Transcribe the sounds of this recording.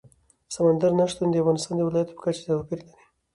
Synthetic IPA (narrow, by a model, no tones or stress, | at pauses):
samand̪aɾnaʂt̪and̪əafɣɑnɪst̪ɑnd̪əwɪlɑjat̪o̥pə̥kat͡ʃe̥t̪awpiɾlani